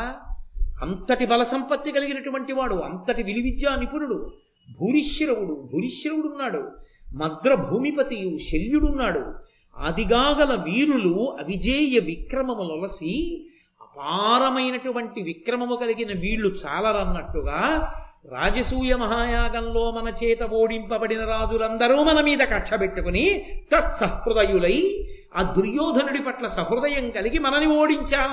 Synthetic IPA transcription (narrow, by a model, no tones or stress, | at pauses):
ɐ̰nt̪ɐʈibɐlɐsɐmpɐt̪ːikɐliɡinɐʈuʋɐɳʈiʋaːɽuɐ̰nt̪ɐʈiʋiliʋid͡ʒ̪jaːnipuɾuɽu | bʱuːɾiʃjɾɐwuɽubʱuːɾiʃjɾɐwuɽunːaːɽṵmɐd̪ɾɐbʱuːmipɐt̪ijuʃeljuɽunːaːɽṵ | a̰ːd̪ʱiɡaːɡɐlɐʋiːɾuluɐʋid͡ʒeːjɐʋikɾɐmɐmulɔlɐsi | ɐpaːɾɐmɐjnɐʈuʋɐɳʈiʋikɾɐmɐmukɐliɡinɐʋiːɭːut͡ʃa̰ːlɐɾɐnːɐʈːuɡaːɾa̰ːd͡ʒɐsuːjɐmɐɦaːjaːɡɐmlo̞ːmɐnɐt͡ʃɛːt̪ɐʋoːɽimpɐbɐɽinɐɾaːd͡ʒulɐnd̪ɐɾuːmɐnɐmiːd̪ɐkɐʈʂɐpeʈːukunik̪ɐt̪sɐhpɾud̪ɐjulɐj | ɐd̪uɾjɔːd̪ʱɐnuɽipɐʈlɐsɐɦɾud̪ɐjɐŋkɐliɡimɐnɐnioːɽiɲt͡ʃaːlɐ